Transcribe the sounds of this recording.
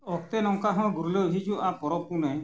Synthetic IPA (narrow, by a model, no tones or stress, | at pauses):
ɔkt̪ɛnɔŋkaɦɔ̃ɡuɾulɔɦid͡ʒuʔapɔɾɔpunɛj